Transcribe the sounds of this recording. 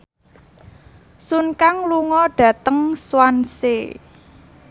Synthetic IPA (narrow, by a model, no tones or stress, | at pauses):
sunkaŋluŋɔɖ̥ä̤t̪əŋswanse